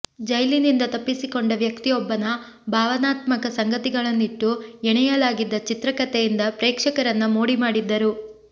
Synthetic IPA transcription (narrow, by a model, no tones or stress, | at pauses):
d͡ʒɐjlinind̪ɐt̪ɐpːisikoɳɖɐʋjɐkt̪ijɔbːɐnɐ | bʱaːʋɐnaːt̪mɐkɐsɐŋɡɐt̪iɡɐɭɐnːiʈːuɛɳɛjɐlaːɡid̪ːɐt͡ʃit̪ɾɐkɐt̪ejind̪ɐpɾɛːkʂɐkɐɾɐnːumoːɽimaːɽid̪ːɐɾu